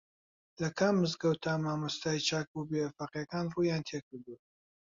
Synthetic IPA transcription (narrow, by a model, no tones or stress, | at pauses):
lɐkʰamːɨzɡɐwt̪ʰamaːmɐst̪aːit͡ʃʰaːk̚bubefaqjɐkaːnrujaːnt̪ʰekɨɾd̪u